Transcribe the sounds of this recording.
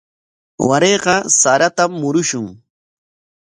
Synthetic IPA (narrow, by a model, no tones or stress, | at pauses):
waɾeːqɑsaɾat̪amːʊɾʊʃʊŋ